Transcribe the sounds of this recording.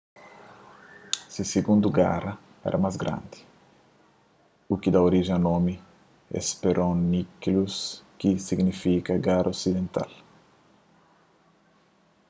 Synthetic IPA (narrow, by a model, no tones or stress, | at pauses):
siseɡũnd̪uɡa̰rɐ | ɛ̰ɾɐmazɡɾã̰nd̪i̥ | ukid̪ɐoɾiʒẽŋɐnomi | ḛspeɾʔownikluskisiɡnifikɐɡaɾʔosid̪ẽnt̪a̰l